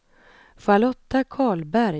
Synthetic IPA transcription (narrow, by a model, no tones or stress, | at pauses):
falɔt̪ːakʰɑːɭbæɾ